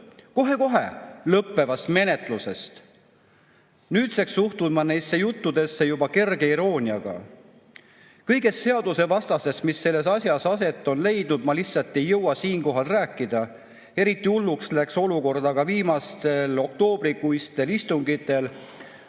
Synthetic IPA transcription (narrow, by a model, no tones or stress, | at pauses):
ko̞ɦe̞ko̞ɦe̞̰lɤpːe̞vɑst̪me̞ne̞t̪ˑluse̞st̪ | nyːt̪seksuht̪umɑnesːejut̪ːud̪e̞sːejubɑke̞rɡe̞iɾo̞ːnʲiɑɡ̥ɑ̰ | kɤjɡe̞sːe̞ɑd̪use̞vɑst̪ɑse̞st̪misːe̞lːe̞sɑsʲjɑsɑse̞t̪ˑːo̞nle̞jd̪̥nud̪mɑlisːɑt̪ːˑe̞jːɤwɑsiːnko̞ɦɑlræːkˑːid̪̥ɑ | e̞ɾit̪ːˑiulːukslækso̞luko̞rd̪̥ɑɡ̥ɑviːmɑst̪e̞lo̞k̚t̪o̞ːb̥ɾikujst̪e̞list̪uŋɡit̪ːˑe̞l